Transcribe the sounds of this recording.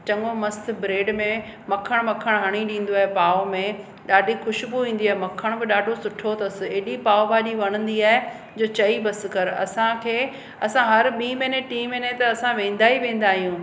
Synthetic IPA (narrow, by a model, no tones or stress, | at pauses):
t͡ɕɐŋomɐst̪̆ʰbɾeːɖmẽmɐkʰəɽ̃mɐkʰəɽ̃ɦɐɽ̃iɗĩːn̆d̪oaːɦepaːomẽ | ɗaːɖʱixʊʃbuʋĩːn̆d̪iaːɦemɐkʰəɽ̃bɪɗaːɖʱosʊʈʰot̪ɐsɪ̆eːɗipaːobaːɗiʋɐɽ̃ə̃nd̪iaːɦe | d͡ʑoːt͡ɕɐibɐsɪ̆kɐɾɐ̰sãkʰeː | ɐsãɦɐɾɓĩːmẽːneʈiːmeːnet̪ɐɐsãʋẽːn̆d̪aːiʋẽːn̆d̪aːɦijũː